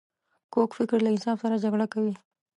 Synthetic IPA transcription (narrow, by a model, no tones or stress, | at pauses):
kokfɪkɾlaɪnsɑfsaɾad͡ʒaɡɽakawi